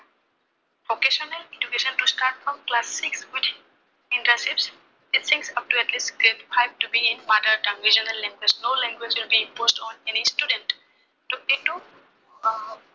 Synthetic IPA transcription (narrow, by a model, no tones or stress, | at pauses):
ʋokeʃɔnəlẽd͡ʒukeʃə̃nʈusʈaːɾʈ̚fɾɔ̃mklasːɪkswɪd̪ʰ | ɪ̃nʈɾəsɪps | ɪʈsɪ̃ŋksʌp̚ʈuɛʈlisʈɡɾeʈifaɪbʈubiɪ̃nmad̪əɾɖãnɾid͡ʒənəlːɛ̃ŋɡwed͡ʒnoːlɛ̃ŋɡwed͡ʒwɪlbiɪ̃npoːsʈɔ̃nenisʈuɖə̃ɳʈː | uɪ̃ʈːu